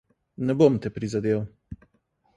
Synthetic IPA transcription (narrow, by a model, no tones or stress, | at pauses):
nɛbomt̪ɛpɾizad̪ew